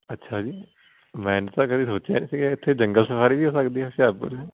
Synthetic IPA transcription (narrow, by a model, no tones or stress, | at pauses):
ətːʃʰaːd͡ʒiː | mɛ̃ːnt̪ãːkəd̪iːsoːt͡ʃjanĩːsiːɡaɪt̪ʰːeːd͡ʒə̃ŋɡəlsəfʰaːɾiːbiːɦoːsəkd̪iːɦɛʃaːɾpə̰lː